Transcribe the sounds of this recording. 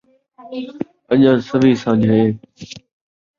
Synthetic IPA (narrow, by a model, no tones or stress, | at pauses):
əɲãːsəʋiːsãːd͡ʑʱɦeː